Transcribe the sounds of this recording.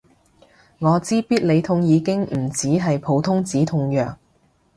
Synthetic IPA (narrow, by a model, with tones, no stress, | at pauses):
ŋɔː˨˧t͡siː˥piː˥t̚le˨˧jt̪ʰʊ˧ŋjiː˨˧kɪ˥ŋm̩˨˩t͡siː˨˥ɦɐ˨jpʰo˨˧wt̪ʰʊ˥ŋt͡siː˨˥t̪ʰʊ˧ŋjœ̰ː˨k̚